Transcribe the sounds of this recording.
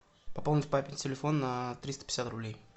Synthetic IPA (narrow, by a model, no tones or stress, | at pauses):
pɐpolˠnʲɪtʲpapʲɪnʲtʲɪlʲɪfo̞nnət̪ɾʲist̪ə̥pʲɪ̥sʲat̪ɾʊblʲej